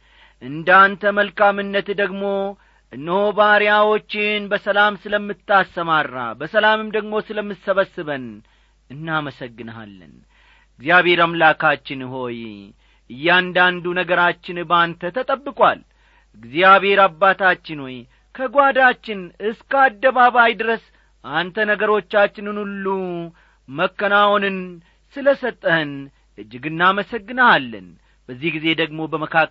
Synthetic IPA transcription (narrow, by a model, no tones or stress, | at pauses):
ʔɨnd̪ant̪ʰəməlkʰamɨnːət̪d̪əɡmo̞ | ʔɨnːəhobaɾjawo̞t͡ʃːɪnbəsəlamsɨləmːɨt̪ʰːasəmaɾːa̰bəsəlamɨmd̪əɡmo̞sɨləmːɨsəβəsːɨβən | ɨnːaməsəɡːɨna̰lːɨ̰n | ɨɡzijaβhe̞ɾamlakʰat͡ʃːɪnɦo̞j | ʔɨjːɛand̪and̪unəɡəɾat͡ʃːɪnbant̪ʰət̪ʰət̪ʼəbːɨkʼwa̰l | ɨɡzijaβhe̞ɾabːat̪ʰat͡ʃːɪnwɔj | kʰəɡʷad̪at͡ʃːɪnɨskəad̪ːəβaβajd̪ɨɾəs | ʔant̪ʰənəɡəɾo̞t͡ʃːat͡ʃːɪnɨnulːu | məkːənawonɨn | sɨləsət̪ʼːəɨn | ʔɨd͡ʒːɨɡɨnːaməsəɡːɨnəalːə̰n | bəzːihɡize̞d̪əɡmo̞bəməkʰa